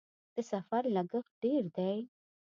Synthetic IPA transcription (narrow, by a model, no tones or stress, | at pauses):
d̪̥əsafaɾlaɡəxɖeɾd̪aj